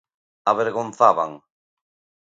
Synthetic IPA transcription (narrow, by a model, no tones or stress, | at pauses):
aβeɾɣon̟θaβa̰ŋ